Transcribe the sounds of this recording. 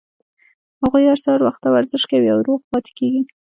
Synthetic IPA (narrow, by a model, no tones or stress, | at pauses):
haɣujaɾsɑɾwaxt̪ːawaɾzəʃkawiawɾoɣpɑt̪ɪ̥keɡi